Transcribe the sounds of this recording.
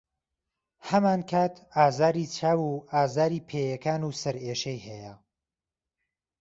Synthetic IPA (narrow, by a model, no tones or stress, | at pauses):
hɐmaːnkʰaːt̪ʰaːzaːɾiːt͡ʃʰaːwuaːzaːɾiːpʰeːjɐkaːnuːsɐɾeːʃejhɛjɐ